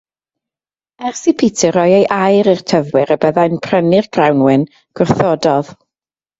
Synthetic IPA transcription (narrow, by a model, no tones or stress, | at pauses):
ɛrsipʰitʰɨɾɔjejʔajɾirtʰəvwɪɾəbəðajnpʰr̥ənɪrɡ̥rawnwɪn | ɡ̥ʊrθɔdɔð̥